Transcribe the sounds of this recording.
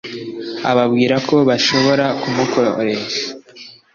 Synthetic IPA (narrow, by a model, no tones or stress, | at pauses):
a̰βabɡiːɾako̞βaʃo̞βo̞ɾakumukʰoɾeʃḁ